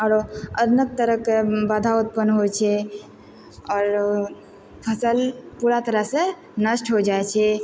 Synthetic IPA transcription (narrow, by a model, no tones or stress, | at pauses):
ɔɾəd̪nək̚t̪əɾəkebad̪ʱaut̪̚pənɦojt͡ʃʰɛ | ɔːɾ | pʰəsəlpuɾat̪əɾəɦsə̃ | nəsʈʰɦod͡ʒaet͡ʃʰɛ